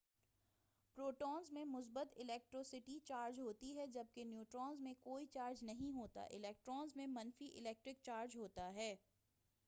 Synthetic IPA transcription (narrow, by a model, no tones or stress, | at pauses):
pɾoːʈɔːnzmẽmʊs̬bət̪ɪlɛːk̚ʈɾɔːsɪʈit͡ʃaːɾd͡ʒɦoːt̪iɦɛd͡ʒɐb̚kenjuːʈɾɔːnzmẽkoːit͡ʃaːɾd͡ʒnɐɦĩɦoːt̪a̰ʔɪ̰lɛːk̚ʈɾɔːnzmẽmɐnfiʔɪlɛːk̚ʈɾɪk̚t͡ʃaːɾd͡ʒɦoːt̪aɦɛː